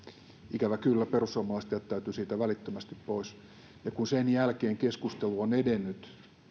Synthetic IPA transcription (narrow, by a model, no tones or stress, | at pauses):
ʔikæʋækylːæperusːuomːɑlɑist̪ɑjɑt̪t̪æyt̪ysiːt̪æʋælit̪ːømæst̪ippois | jɑkunsenjælkeːŋkeskust̪eluonedenːyt̪